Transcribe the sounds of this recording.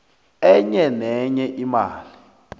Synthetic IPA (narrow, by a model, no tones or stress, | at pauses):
ɛɲɛnɛɲɛʔima̰ːli